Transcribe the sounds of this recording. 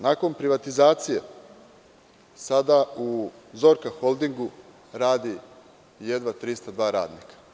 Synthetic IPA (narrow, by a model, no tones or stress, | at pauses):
nako̞npɾiʋat̪izaːt̪sije̞ | sad̪auzo̞ːɾkaxo̞lˠd̪iŋɡu | ɾaːd̪i | je̞d̪ʋat̪ɾist̪ad̪ʋaːɾa̰ːd̪nikḁ